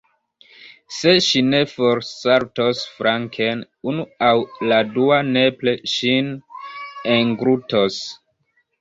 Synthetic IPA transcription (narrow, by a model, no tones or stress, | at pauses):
se̞ʃine̞foɾsaɾtosfɾaŋkʰen | unuawladuane̞ple̞ʃin | eŋɡɾutos